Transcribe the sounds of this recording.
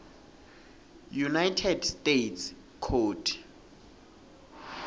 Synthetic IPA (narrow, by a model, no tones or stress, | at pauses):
junajtʰɛdstetʰs | kʰoːtʰ